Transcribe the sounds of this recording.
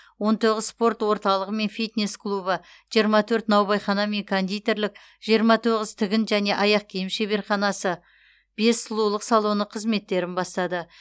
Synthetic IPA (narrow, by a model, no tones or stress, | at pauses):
wo̞nt̪ʰo̞ʁəzspo̞rt̪wo̞ɾt̪ɑlˠəʁəme̞nfijt̪ne̞sklˠubə | ʒ̥ijəɾmɑt̪ʰɵɾt̪nɑwbɑjχɑnɑme̞ŋkʰond̪ijt̪e̞ɾlɪk̚ | ʒ̥ijəɾmɑt̪ʰoʁəz̥t̪ʰɪɡʲɪnʒæne̞ʔɑjɑq̚kʲʰejɪmʃeβe̞ɾχɑnɑsə | b̥e̞sːəlˠulˠəqsɑlˠo̞nəqʰəzme̞t̪ːe̞ɾɪnbɑst̪ɑd̪ə